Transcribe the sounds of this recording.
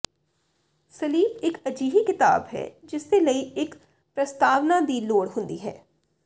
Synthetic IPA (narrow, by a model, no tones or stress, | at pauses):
səliːbɪkəd͡ʒiːɦikɪt̪a̰ːbɦɛ̰ːd͡ʒɪst̪eːləiːɪk | pɾəst̪aːʋnad̪iːloːɽɦʊ̃nd̪iːɦɛ̰ː